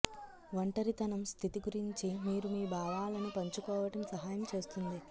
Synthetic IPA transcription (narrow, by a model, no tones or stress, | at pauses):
ʋɐɳʈɐɾit̪ɐnɐmst̪ʰit̪iɡuɾiɲt͡ʃimiːɾumiːbaːʋaːlɐnipɐɲt͡ʃukɔːʋɐʈɐmsɐɦaːjɐmt͡ʃe̞ːst̪und̪i